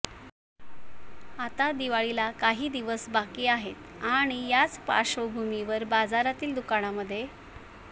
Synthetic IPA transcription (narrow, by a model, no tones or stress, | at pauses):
at̪ad̪iʋaɭilakaɦiːd̪iʋəsbakiːaɦet̪aɽ̃ijat͡spa̰ɕʋəbʱumiʋəɾbad͡zaɾat̪iːld̪ukaɽ̃aməd̪ʱːje